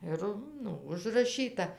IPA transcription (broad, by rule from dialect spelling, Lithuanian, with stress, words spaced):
ˈɪr ˈnʊ ʊʒrɐˈʃʲiːtɐ